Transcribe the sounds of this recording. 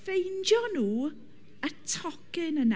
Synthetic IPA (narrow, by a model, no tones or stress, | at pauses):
fejnd͡ʒjɔnuː | ətʰɔkɪnən